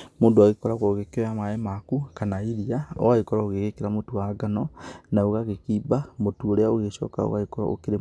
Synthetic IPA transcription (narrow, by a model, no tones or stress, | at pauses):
moːndoaɣekɔɾaɣoɣekeɾamaɛmakukanaiɾiaɔ̰aɣekɔɾaoɣeɣekeɾamotuaɡanɔnaoɣaɣekiːbamotuoɾeaoɣeʃɔ̰ːka̰o̰ɣaekɔɾa̰o̰keɾe